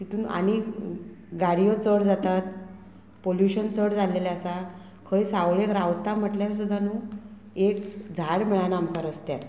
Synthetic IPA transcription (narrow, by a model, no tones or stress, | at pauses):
t̪it̪uːnʔa̰ɽ̃i | ɡaɽijot͡səɽd͡zat̪at̪̚ | poljuɕənt͡səɽd͡zʱaleljasa | kʰəjsawɭekɾawt̪am̤əʈljaɾs̬ud̪ʱːanũː | ekd͡zʱaɽmɛɭanamkaɾəst̪jaɾ